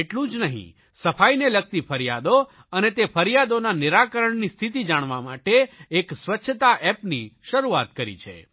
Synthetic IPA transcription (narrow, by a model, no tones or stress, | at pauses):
eʈlũd͡ʒnəɦḭ̃ | səfʰajnelək̚t̪ifʰəɾijad̪o | ənet̪efʰəɾjad̪onaniɾakəɾəɳnist̪ʰit̪̬id͡ʒaɽ̃ʋama̰ʈeːksʋətːʃʰət̪aʔɛpniʃəɾuat̪kəɾḭt͡ʃʰḛ